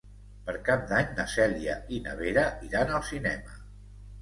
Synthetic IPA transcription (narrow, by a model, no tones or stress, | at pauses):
pəɾkap̚d̪aɲnəsɛliə̰inə̰βeɾəiɾanəlˠsinɛmə